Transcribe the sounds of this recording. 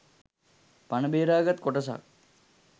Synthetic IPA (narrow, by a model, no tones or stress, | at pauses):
panəbeːɾaːɡat̪koʈəs̬a̰k